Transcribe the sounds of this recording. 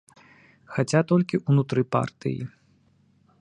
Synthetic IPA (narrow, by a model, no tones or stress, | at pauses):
xat͡sʲat̪ɔlʲkʲiʔunut̪ɾɨpa̰rt̪ɨ̰jḭ